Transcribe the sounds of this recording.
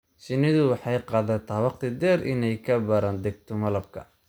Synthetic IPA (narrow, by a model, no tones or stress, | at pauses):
sɪnɪðʊwɑħɑjqɑːðɐt̪ʰɐwɑqt̪ʰɪd̪ɛɾʔɪ̰nɛjkʰɐbɐɾaːnd̪ɛɡ̚t̪ʰɔmɐlɐb̚kʰɐ̰